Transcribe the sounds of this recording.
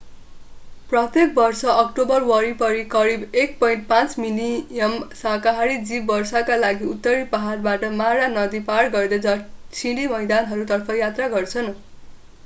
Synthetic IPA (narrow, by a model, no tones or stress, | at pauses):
prʌt̪jek̚bʌrsʌʔʌk̚ʈobʌrwʌɾipʌɾikʌɾibek̚pʌjɳʈ̚pãt͡sminiʌmsakaɦaɾid͡zibːʌrsʌkalaɡiut̪ːʌɾipʌɦarbaʈʌmaɾanʌd̪ipaɽɡʌɾd̪ʌd͡zʌt͡sʰiɽimʌjd̪anɦʌɾut̪ʌrpʰʌjat̪raɡʌrt͡sʰʌn